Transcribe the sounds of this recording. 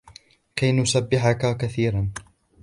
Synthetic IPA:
kajnʊsabːɪħakakaθiːɾan

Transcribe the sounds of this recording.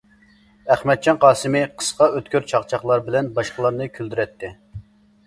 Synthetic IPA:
æχmɛt̪̚t͡ʃʰɑnqɑːsɨmɪqʰə̥sqɑøt̪kʲøɾt͡ʃʰɑqt͡ʃʰɑχlˠɑɾbɪlɛnbɑʃqəlˠɑɾnɨkʲʰyld̪yɾɛt̪ʰːɪ

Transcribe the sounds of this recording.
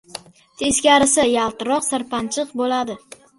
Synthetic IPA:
t̪ʰe̞skʲaɾɪsɪjalˠt̪ɪɾɒqsaɾpʰant͡ʃʰɨqbolad̪ɪ

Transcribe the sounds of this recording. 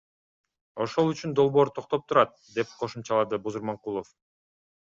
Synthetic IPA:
o̞ʃo̞lˠyt͡ʃynd̪o̞lˠbo̞ːɾt̪ʰoq̚t̪o̞p̚t̪ʰuɾɑt̪̚d̪e̞p̚qʰo̞ʃumt͡ʃɑlˠɑd̪ɯbuzuɾmɑɴqulˠof

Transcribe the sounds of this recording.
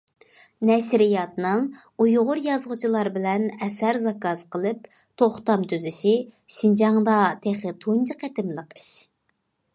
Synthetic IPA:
nɛʃɾɪjɑt̪nɨŋujʁʊɾjɑzʁʊt͡ʃʰilˠɑɾbɪlɛnɛsæɾzɑkɑzqəlˠɨp̚ | t̪ʰoχt̪ɑmt̪ʰyzɪʃɪʃind͡ʒɑŋd̪ɑt̪ʰeχɨt̪ʰund͡ʒɨqʰet̪ɪmlˠəqi̥ʃ

